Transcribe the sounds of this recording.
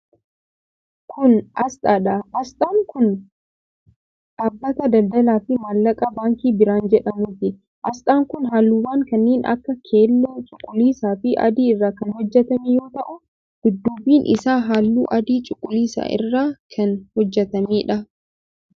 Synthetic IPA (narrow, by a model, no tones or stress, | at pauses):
kʰʊnʔɐst̪ʼaːᶑɐʔɐst̪ʼaːŋkʊn | ᶑɐbːɐt̪ɐd̪ɐld̪ɐlaːfɪmaːlːɐkʼɐbaːŋkiːbɪɾaːnd͡ʒɛᶑɐmʊt̪ɪ | ʔɐst̪aːŋkʊnɦaːlːuːwaːŋkɐnːeːnɐ̰kːɐkʰeːlːoːt͡ʃʼʊkʼːʊliːsaːfɪʔɐ̰d̪iːɪrːaːkɐnhɔd͡ʒːɛt̪ɐmijo̞ːt̪ɐʔʊ | ɡ̥ɪd̪ːuːbiːnʔɪ̰saːɦaːlːṵːʔɐd̪iːt͡ʃʼʊkʼʊliːsa̰ːʔɪ̰rːaːkʰɐnhɔd͡ʒːɛt̪ɐmiːᶑɐ